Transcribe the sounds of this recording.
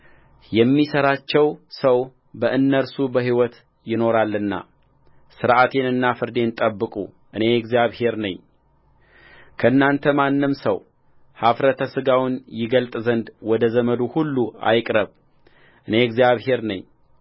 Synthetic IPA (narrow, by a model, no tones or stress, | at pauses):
jɛmːisəɾat͡ʃːɛwsəw | bəʔɨnːəɾsubəɦiwɔt̪ | jɪno̞ɾalːɨnːa̰ | sɨɾʔat̪ʰe̞nɨnːafɨɾd̪e̞nt̪ʼəbːɨkʼṵ | ʔɨne̞ɛɡzijaβhe̞ɾnəɲː | kʰəɨnːant̪ʰəmanːɨmsəw | hafɾət̪ʰəsɨɡawʊnjɪɡəlt̪ʼzənd̪wɔd̪əzəməd̪uhulːua̰jkʼɾəβ | ʔɨne̞ɡzijaβhe̞ɾnə̰ɲː